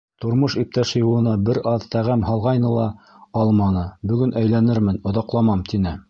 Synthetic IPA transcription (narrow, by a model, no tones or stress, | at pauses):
t̪ŏɾmoʃip̚t̪æʃɘjŭlˠɤ̆nɑbɘɾʔɑðt̪æʁæmɦɑlˠʁɑjnɤlˠɑ | ɑlˠmɑnɤbɵ̆ɡɵnæjlænɘɾmɘnŏðɑqlˠɑmɑmt̪inɘ